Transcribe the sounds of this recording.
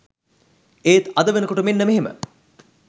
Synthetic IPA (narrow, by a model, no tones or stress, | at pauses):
eːt̪ɐd̪əʋenəkoʈumenːəmeɦemə̰